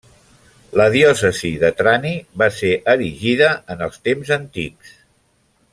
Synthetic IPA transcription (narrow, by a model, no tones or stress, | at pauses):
ləðiɔsəziðət̪ɾaniβaseʔəɾiʒiðəənəlˠst̪emzənt̪ḭks